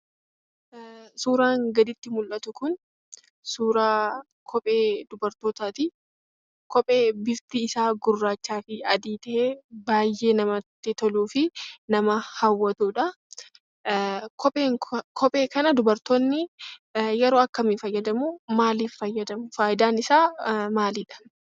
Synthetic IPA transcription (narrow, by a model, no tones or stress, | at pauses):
suːɾaːŋɡɐd̪ɪt̪ːɪmʊlʔɐt̪ʊkʊn | suːɾaː | kʰɔpʼe̞ːd̪̥ʊbɐɾt̪oːt̪aːt̪ɪ | kɔpʼeːbɪft̪ɪːsaːɡʊrːaːt͡ʃːaːfɪɐd̪iːt̪ɐʔeːbaːjːʔe̞ːnɐmɐt̪ːɪt̪ɔluːfɪnɐmɐhɐwːɐt̪uːᶑɐ | kʰɔpʼeːŋkʰɔpʼe̞ːkɐnɐd̪ʊbɐɾt̪ɔnːɪ | jɛɾoːɐkːɐmɪfɐjːɐd̪ɐmumaːliːffɐjːɐd̪ɐmʊfaːjɪd̪aːnɪsaːmaːliːᶑɐ̥